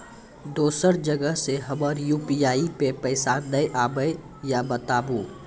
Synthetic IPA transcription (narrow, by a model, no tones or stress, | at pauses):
d̪oːsəɾd͡ʒəɡəɦseɦɐməɾjuːpiaːipepəɪsanəjʔaːbə | jabət̪aːbuː